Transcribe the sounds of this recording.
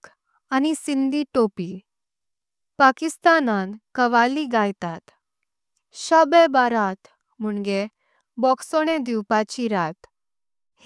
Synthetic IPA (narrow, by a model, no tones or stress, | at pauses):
anisind̪iʈopi | pakist̪anankəʋaliɡajt̪at̪ | ɕəbəbaɾat̪ | m̤uɳɡe | bɔksoɽ̃ed̪iwpat͡ɕiɾat̪ | h